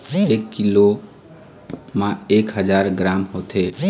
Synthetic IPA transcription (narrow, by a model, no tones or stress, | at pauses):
ekːilo | mãekɦəd͡ʒaːɾɡɾamɦot̪ʰe